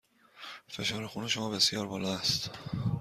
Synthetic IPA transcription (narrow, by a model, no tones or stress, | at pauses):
fe̞ʃɒːɾexuneʃomɒːbe̞sjɒːɾbɒːlɒːæst̪